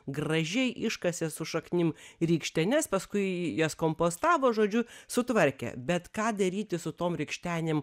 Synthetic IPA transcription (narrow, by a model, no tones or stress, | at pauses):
ɡrɐʒʲɛɪʔɪʃkɐsʲɛsʊʃɐknʲɪmrʲiːkʃʲt̪ʲɛnʲɛspɐskʊɪjɛskoːmpoːst̪ɑːʋoːʒoːd͡ʒʲʊsʊt̪ʋɐɾʲkʲɛ̰bʲɛt̪kɑːd̪ɐɾʲiːt̪ʲɪsʊt̪oːmɾʲɪkʃʲt̪ʲæːnʲeːm